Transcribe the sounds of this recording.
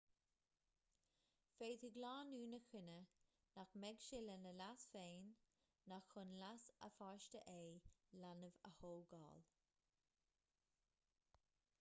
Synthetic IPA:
feːt̪ʰəɡlɑːnuːnəxɪnə | naxmɛɡʃɪlənəlasfeːnː | axʊnlasə̰faɹʃtəʔeːlanəvə̰hoːɡɑ̰ːl

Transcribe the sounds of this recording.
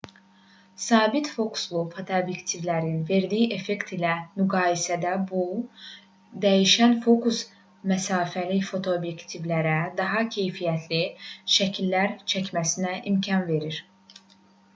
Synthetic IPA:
sɑːbit̪fo̞kʰu̥slˠufot̪ʰoobjekt̪ʰivlæɾinve̞ɾd̪ijiʔe̞fe̞kt̪ʰilæmyɡɑːjisæd̪æbu | d̪æjiʃænfo̞kus | mæsɑːfælifo̞t̪ʰoːbje̞kt̪ʰivlæɾæd̪ɑɦɑcʰe̞jfijæt̪ʰliʃæcʰilːæɾt͡ʃʰæcmæsinæʔimcʰɑnve̞ɾiɾ̥

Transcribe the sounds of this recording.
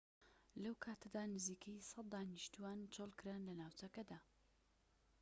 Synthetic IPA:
lɐwkʰaːt̪ʰɐd̪aːnɨziːkʰɐjsɑt̪̚d̪aːnɨʃt̪uwant͡ʃʰolˠkɨɾanlɐnaːwt͡ʃɐkɐd̪aː

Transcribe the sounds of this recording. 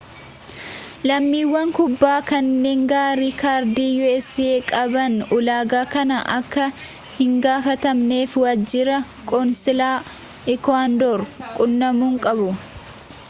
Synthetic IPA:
lɐmːiːwːɐŋkʊbːaːkɐnːe̞ːŋɡaːɾikaːɾd̪iːjuɛsːɪeːkʼɐbɐnʊlaːɡaːkɐnɐʔɐkːɐ | hɪŋɡaːfɐt̪ɐmne̞ːfwɐd͡ʒːɪɾɐ | kʼɔnsɪlaː | ɪkɔand̪oɾkʼʊnːɐmuːŋkʼɐbʊ

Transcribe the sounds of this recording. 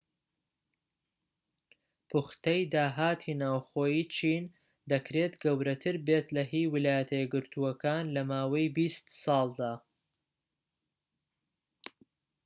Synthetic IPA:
pʰuχt̪ɐjd̪aːɦaːt̪ʰiːnaːwxoːjiːt͡ʃʰiːn | d̪ɐkɾe̞t̪ɡɐwɾɐt̪ʰɨɾbe̞t̪lɐɦiːwɪlaːjɐt̪ʰɐjɛɡɨɾt̪ʰuɐkaːnlɐmaːwɐjbist̪sɑːlˠd̪aː

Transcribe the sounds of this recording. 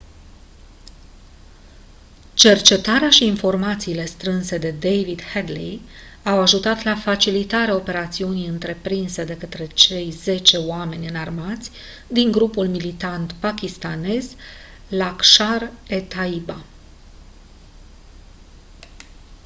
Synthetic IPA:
t͡ʃe̞rt͡ʃe̞t̪aɾeaʃiːnfo̞rmat̪siːle̞st̪ɾɨnse̞d̪e̞d̪ejvid̪hed̪li | awaʒut̪at̪lafat͡ʃilit̪aɾeao̞pe̞ɾat̪siunijɨnt̪ɾe̞pɾinse̞d̪e̞kət̪ɾe̞t͡ʃe̞jze̞t͡ʃe̞oame̞nʲɨnarmat̪sʲ | d̪iŋɡɾupulmilit̪ant̪pakʲist̪ane̞z | lakʃare̞t̪aiba

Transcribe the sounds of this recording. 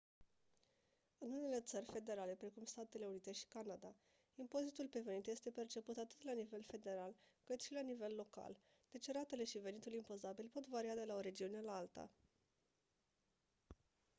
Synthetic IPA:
ɨnune̞le̞t̪sərʲfe̞d̪e̞ɾale̞pɾe̞kumst̪at̪e̞le̞unit̪e̞ʃi̥kanad̪a | impo̞zit̪ulpeve̞nit̪je̞st̪e̞pe̞rt͡ʃe̞put̪at̪ɨt̪lanive̞lfe̞d̪e̞ɾalkɨt̪ʃilanive̞lːo̞ka̰l | d̪̥e̞t͡ʃeɾat̪e̞le̞ʃive̞nit̪ulimpo̞zabilpo̞t̪vaɾiad̪e̞lao̞ɾe̞d͡ʒiune̞laalt̪a̰

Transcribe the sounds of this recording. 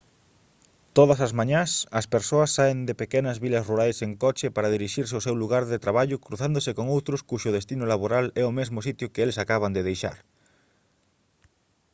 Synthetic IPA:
t̪oðɐsɐzmãɲãsɐspeɾsoɐsːaend̪ɪpekenɐzβilɐsruɾajseŋkɔt͡ʃɪpaɾɐðiɾiʃiɾseoʊsɛwluɣaɾðɪt̪ɾaβaʎʊkɾuθand̪osɪkoŋowt̪ɾʊskuʃʊð̞est̪inolaβoɾalɛʊmezmosit̪jʊkeelesakaβɐnd̪ɪðejʃa̰ɾ

